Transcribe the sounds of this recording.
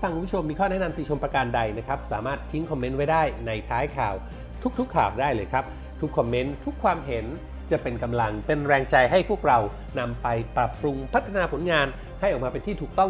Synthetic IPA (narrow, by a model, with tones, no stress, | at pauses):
fa˧˩ŋʰku˧˦pːʰu˥˩t͡ɕo˧mːiː˧kʰɔː˥˩nɛ˦˥na˧mt̪i˨˩t͡ɕʰo˧mpɾa˧kaː˧nda˧jna˦˥kʰɾa˦˥p̚saː˩˦maː˥˩t̪ʰːi˦˥ŋkʰɔ˧mːe˦˥nwa˥˩jdaː˥˩jna˧jt̪ʰaː˦˥jkʰaː˨˩w | t̪ʰu˦˥kt̪ʰu˦˥kʰːaː˨˩wdaː˥˩jlɤː˧jkʰɾa˦˥p̚ | t̪ʰu˦˥kʰːɔ˧mːe˦˥nt̪ʰu˦˥kʰwaː˧mɦe˩˦n | t͡ɕa˨˩ʔpe˧nka˧mla˧ŋpe˧nɾɛː˧ŋt͡ɕa˧jɦa˥˩jpʰu˥˩ək̚ɾa˧w | na˧mpa˧jpɾa˨˩p̚ɾu˧mpʰa˦˥t̪ʰːa˧naː˧pʰo˨˩˦nŋaː˧n | ha˥˩jʔɔː˨˩k̚mː˧pe˧nt̪ʰiː˥˩t̪ʰuː˨˩k̚t̪ɔ˥˩ŋ